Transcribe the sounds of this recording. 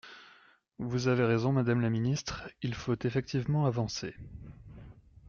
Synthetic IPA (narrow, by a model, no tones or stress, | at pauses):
vuzaveʁezɔ̃mad̪amlaminist̪χilfot̪efɛk̚t̪ʰivmɑ̃avɑ̃se